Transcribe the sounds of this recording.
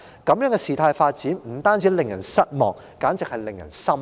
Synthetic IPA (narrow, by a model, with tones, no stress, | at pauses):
kɐ˨˥mjœː˨˥ŋkɛː˧siː˨˩t̪ʰaː˧jfaː˧t̚t͡siː˨˥nm̩˨˩t̪aː˥nt͡siː˨˥lɪ˨ŋjɐ̰˨˩nsɐ˥t̚mɔː˨ŋ̚ | kaː˨˥nt͡sɪ˨k̚hɐ˨jlɪ˨ŋjɐ˨˩nsɐ˥m